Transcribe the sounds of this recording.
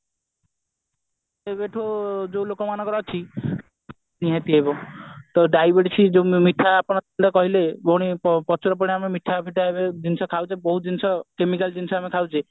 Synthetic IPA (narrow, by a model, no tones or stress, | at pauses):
ebeʈʰod͡ʒowlokɔmanɔ̃kɔɾɔt͡ʃʰi | niɦat̪iebɔt̪ɔɖajbeʈsʰid͡ʒewmit̪ʰːaːpɔɽ̃lt̪akɔɦilebɔɽ̃ipɔpɔt͡ʃʰɔɾɔp̬ɔɽ̃iamemit̪ʰapʰiʈaebed͡ʒinsɔkʰawt͡ʃʰebɔɦud͡ʒinsɔkemikald͡ʒinsɔamekʰawt͡ʃʰe